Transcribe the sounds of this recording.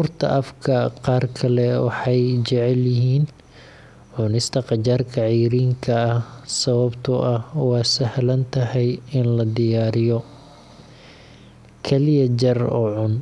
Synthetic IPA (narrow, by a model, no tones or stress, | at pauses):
uːrt̪ʰɐ̰ʔɐfkʰɐqɑːrkʰɐlɛwɑ̰ħɑjt͡ʃɛʕɛljɪɦiːn | ʕʊnɪst̪ʰɐqɑt͡ʃaːrkʰɐʕijɾiːŋkʰɐːhsɐβɐbt̪ʰʊʔɐhwɑːsɐhlɐnt̪ʰɐɦɛjɪnlɐd̪ɪjaːɾɪjɔ | kʰɛlɪjɐd͡ʒɐrɔ̰ːʕʊn